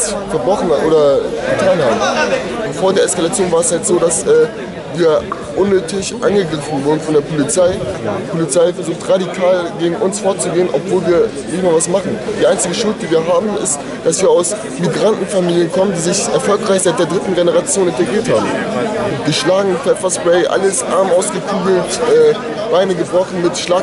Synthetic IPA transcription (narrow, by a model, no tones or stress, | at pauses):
sfɛɐbʁɔχn̩ʔoːdɐɡətʰaːnhaːbm̩ | foːɐdeːɐɛskalat͡sjoːnvaːɐɛshaltz̥oːdasʔɛː | viːɐ | ʔʊnːøːtʰɪçʔa̰nɡəɡʁɪfn̩vʊɐdn̩fɔndeːɐpʰolit͡saɪdiːpʰolit͡saɪfɛɐzuːxtʁadikʰaːlɡeːɡŋ̩ʔʊnsfoɐtt͡suɡeːənʔɔ̰pv̥oːlviːɐ | nɪçtmaːlvasmaχn̩d̥iːʔaɪnt͡sɪɡəʃʊlt̚d̥iːviːɐɦaːbm̩ɪ̰st | d̥asv̥iːɐaʊs | miɡʁantn̩famiːljənkʰɔməndiːzɪçʔɛɐfɔlkʁaɪçz̥aeɪtdeːɐdʁɪtn̩ɡenəʁat͡sjoːnɪntɐɡʁiːɐthaːbm̩ɪtɡ̥əʃlaːɡŋ̩fɛfɐsbʁɛɪʔa̰ləsʔa̰ɐmʔaʊsɡ̥əkʰuːɡl̩tʔɛː | v̥aɪnəɡəbʁɔχn̩mɪtʃlaː